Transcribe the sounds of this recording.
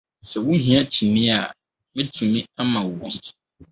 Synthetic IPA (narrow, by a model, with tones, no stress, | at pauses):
sɛ˨wʊ̃˦ɦĩ˦a˦t͡ɕʰi˨mĩ˦a˨ | mɪ̃˦tʰi˨mĩ˦a˦mã˨wɔ˦